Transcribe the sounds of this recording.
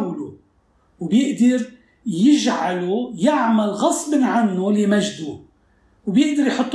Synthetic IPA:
wlu | wbjɪʔd̪ɑɾ | jɪʒʕalujaʕmalɣɑsˤbnʕanːulimaʒd̪u | wbjɪʔd̪ɑɾjħʊt̪ˤː

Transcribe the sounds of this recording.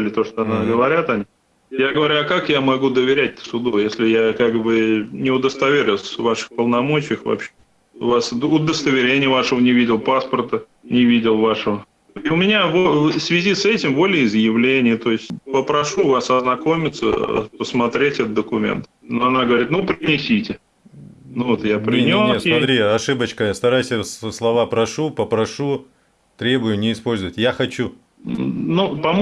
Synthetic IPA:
lʲɪt̪o̞ʂt̪oɐnaɡəvɐɾʲat̪ɐnʲi | jaɡəvɐɾʲuɐkakjamɐɡud̪əvʲɪɾʲæt̚ʲsʊd̪ujesʲlʲɪjakaɡbɨnʲɪʊd̪əst̪ɐvʲeɾʲʊsvaʂɨ̥xpəlˠnɐmo̞t͡ɕɪjəxvɐ̰pɕːe | ʊvasʊd̪əst̪əvʲɪɾʲenʲɪjəvaʂəvənʲɪvʲidʲɪlˠpaspərt̪ə | nʲɪvʲidʲɪlˠvaʂəvə | iʊmʲɪnʲavosvʲɪzʲisɛtʲɪmbo̞lʲɪjɪzjɪvlʲenʲɪjət̪o̞ɪsʲtʲpəpɾɐʂuvasɐznɐko̞mʲɪt̪sə̰pəsmɐt̪ɾʲetʲɛt̪əd̪d̪əkʊmʲḛnt̪noɐnaɡəvɐɾʲit̪̚nupɾʲɪnʲɪsʲitʲɪ | nʊvot̪japɾʲɪnʲosnʲesmɐt̪ɾʲiɐʂɨbət͡ɕkəst̪ɐɾajsʲəsslˠɐvapɾɐʂupəpɾɐʂu | t̪ɾʲe̞bʊjʊnʲɪːspo̞lʲzəvətʲjaxɐt͡ɕu | nupɐm

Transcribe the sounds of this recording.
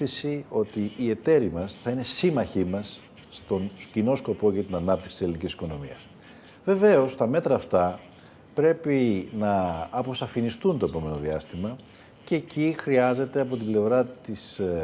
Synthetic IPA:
isio̞t̪iːe̞t̪e̞ɾimɐsθɐine̞simɐçimɐs | t̪o̞ncino̞sko̞po̞ʝɐt̪inɐnɐp̚t̪iksi̥se̞linicisi̥ko̞no̞mḭɐ̰s | ve̞ve̞o̞st̪ɐme̞t̪ɾɐːft̪ɐ | pɾe̞pinɐːpo̞sɐfinist̪unt̪o̞e̞po̞me̞no̞ðiɐst̪imɐ | ce̞ːcixɾiɐze̞t̪e̞ɐpo̞t̪ible̞vɾɐt̪is

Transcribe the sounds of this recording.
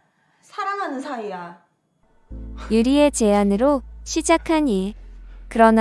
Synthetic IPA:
sʰaɾaŋɦanɯnsʰaia | juɾie̞t͡ɕe̞anɯɾoɕʰid͡ʑakʰaɲikɯɾʌn

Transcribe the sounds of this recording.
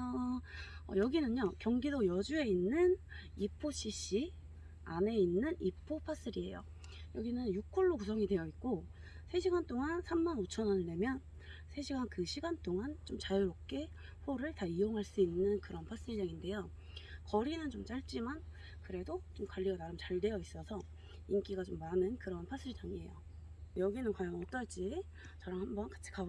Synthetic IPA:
ʌ | ʌ̰jʌɡinɯɲɲokjʌŋɡidojʌd͡ʑue̞inːɯnipʰoɕ͈ʰiɕ͈i | ane̞inːɯnipʰːopʰas͈ɯɾie̞̰jo̰ | jʌɡinɯnjuk͈ʰʌɭːokus̬ʰʌŋidwe̞jʌik̚k͈o | sʰe̞ɕʰiɡant͈oŋansʰamːanot͡ɕʰʌnʌnɯɭne̞mjʌn | sʰe̞ɕʰiɡankɯɕʰiɡant͈oŋant͡ɕomt͡ɕajuɾop̚k͈e̞ | ɸoɾɯɭtaioŋɦaɭs͈uinːɯnkɯɾʌnpʰas͈ɯɭd͡ʑaŋinde̞jo | kʌɾinɯnt͡ɕomt͡ɕ͈aɭt͡ɕ͈iman | kɯɾe̞dot͡ɕomkwaɭːiɡanaɾɯmt͡ɕaɭde̞jʌis͈ʌsʰʌ | ink͈iɡat͡ɕomːanɯnkɯɾʌnpʰas͈ɯɭd͡ʑaŋie̞̰jo | jʌɡinɯnkwajʌŋʌt͈ʌɭt͡ɕ͈i | t͡ɕʌɾaŋhambʌnkḁt͡ɕʰi̥ka

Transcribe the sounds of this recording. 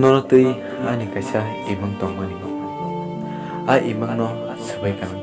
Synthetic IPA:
nɔnɔt̪ɯj | anikajsa | imɯŋt̪ɔŋmaniŋɔʔ | ajʔimɯŋnɔ | sɯbajkaŋ

